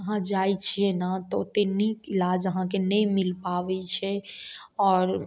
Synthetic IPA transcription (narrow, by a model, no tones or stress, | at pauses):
əɦãd͡ʒaːit͡ʃʰiɛnat̪ot̪enikɪlaːd͡ʒəɦãkenɛ̃ĩmɪlpaːʋɛt͡ʃʰɛ | ɔːɾ